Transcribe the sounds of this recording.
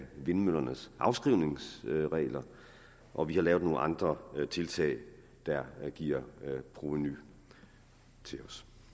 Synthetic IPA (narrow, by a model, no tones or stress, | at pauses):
ʋe̝nmøl̰ɐnəsʔɑ̈ʊsɡ̥ʁiʊne̝ŋsʁɛ̰ːlɐ | ʔɒ̽ʋihɑ̈lɛːʊðˠno̝ːn̩ʔɑ̈nd̥ʁɐt͡sʰe̝lt͡sʰɛ̰ɪ | d̥æɡ̥iːɐ̰pʰʁoʋeny | t͡sʰe̝lɒ̽s